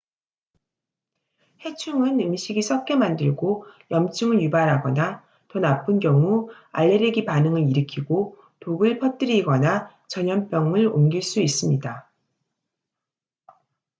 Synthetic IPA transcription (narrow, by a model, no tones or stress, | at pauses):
he̞t͡ɕʰuŋɯnɯmɕʰiɡisʰʌp̚k͈e̞mandɯɭɡojʌmt͡ɕʰɯŋɯɭjubaɾɦaɡʌna | tonapʰɯnɡjʌŋu | a̰ɭːeɾeɡipanɯŋɯɾiɾɯkʰiɡo | toɡɯɭpʰʌt͈ɯɾiɡʌna | t͡ɕʌɲʌmp͈jʌŋɯɾomɡiɭs͈uis͈ɯmɲida